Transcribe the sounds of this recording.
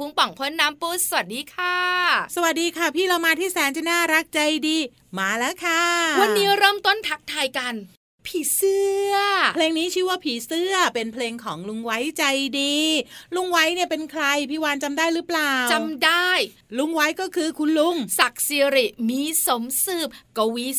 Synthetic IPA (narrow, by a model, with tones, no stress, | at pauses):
u˧˦ŋpa˨˩ŋkʰo˦˥˩nːaː˦˥mpuː˦˥˩sa˧wa˨˩t̪̚diː˧kʰaː˧˩sa˧wa˨˩t̪̚diː˧kʰa˥˩pʰiː˥˩ɾa˧wmaː˧t̪ʰiː˥˩sɛː˩˦nt͡ɕa˧˩naː˥˩ɾa˦˥k̚t͡ɕa˧jdiː˧ | maː˧lɛː˦˥kʰa˥˩wa˧nːiː˦˥ɾɤː˥˩mt̪o˥˩nt̪ʰa˦˥k̚t̪ʰaː˧jka˧n | pʰiː˨˩˦sɯ˥˩ɐpʰleː˧ŋniː˦˥t͡ɕʰɯː˥˩waː˥˩pʰiː˩˦sɯ˥˩ɐpe˧npʰleː˧ŋkʰɔː˩˦ŋlu˧ŋwa˦˥jt͡ɕa˧jdiː˧lu˧˥˩ŋwa˦˥jni˥˩pe˧nkʰɾa˧jpʰiː˥˩waː˧nt͡ɕa˧mdaː˥˩jɾɯ˦˥plaː˨˩wt͡ɕa˧mdaː˥˩j | lu˧˥˩ŋwa˦˥jkɔː˥˩kʰɯː˧kʰu˧nlu˧˥˩ŋsa˨˩k̚siː˧ɾi˨˩miː˧so˩˦msɯː˧˩p̚ka˧wi˦˥